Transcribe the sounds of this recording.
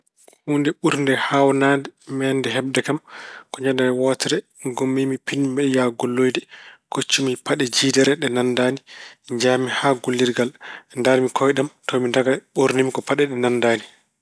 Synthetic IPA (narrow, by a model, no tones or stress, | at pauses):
huːndɛɓuɾndɛhawnadɛmɛndɛɦɛbdɛkamkɔɲandaɾɛwɔtɛɾɛ | ɡomːimipinbɛjaɡolːojdɛkot͡ʃːimipaɗɛd͡ʒidɛɾɛɗɛnandaːnid͡ʒaːmihaɡolːiɾɡalndaɾmikʰɔjɗamtɔmindaɡaɓuɾnimikɔpaɗɛɗɛnandaːni